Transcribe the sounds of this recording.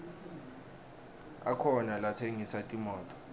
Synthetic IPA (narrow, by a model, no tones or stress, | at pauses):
a̰kʰɔnalatʰeŋisatʼimɔːtʼɔ̥